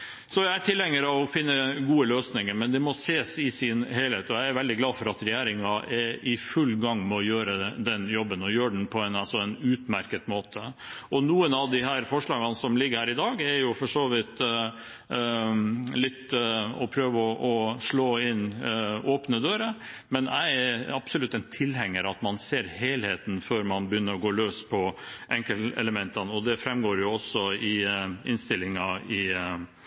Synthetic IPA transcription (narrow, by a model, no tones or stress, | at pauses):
sɔjæɪæʈʰɪlːɛŋːəɾɑʋɔfɪnːəɡuːəløːsnɪŋəɾmɛnd̪ɛmɔseːsɪsɪnheɪlheːt̪ɔjæɪæɾʋɛld̪ɪɡlɑːfɔɾɑt̪ɾɛjæːɾɪŋɑɛɪfʉlːɡɑŋːmɛɔjøːɾəd̪ɛnjɔbːənɔjøːɖɳ̩pʰɔɛnɑlsɔɛnʉːt̪mæɾkət̪moːt̪ʰəɔnuːənɑʋd̪ɪɦæːɾfɔʂɭɑːɡɑnsɔmlɪɡːəɾhæːɾɪd̪ɑːɡɛɾjʊfɔʂoːʋɪt̪ | lɪt̪ːɔpʰɾøːʋəɔʔɔʂɭoːɪnʔoːpnəd̪øːɾəmɛnæ̰ɪɛɾɑbsɔlʉt̪ːɛɪnt̪ʰɪlhɛŋːəɾɑt̪mɑnseːɾheːlheːt̪n̩føːɾmɑnbəjʏnːəɾɔɡoːløːspʰɔʔɛŋkəlɛ̰ləmɛnt̪ɑnɔd̪ɛfɾɛmɡoːɾjʊɔsːɔɪɪnst̪ɪlɪŋɑɪ